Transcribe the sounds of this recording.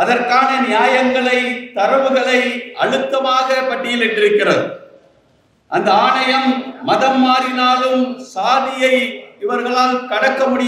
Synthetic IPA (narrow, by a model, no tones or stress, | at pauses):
ɐðɐrkaːnɐnɪjaːjɐŋɡɐɭɐɪt̪ɐɾɐʋɯɣɐɭɐɪɐ̰ɻɯt̪ːɐmaːɣɐpɐʈːɪjɪlɪɳɖɪɾɯkːɪrɐðɯ | ʔɐnd̪ɐaːɳɐjɐmːɐðɐmːaːɾɪnaːlɯmsaːðɪjɐɪɪʋɐɾɣɐɭaːlkɐɽɐkːɐmʊɽɪ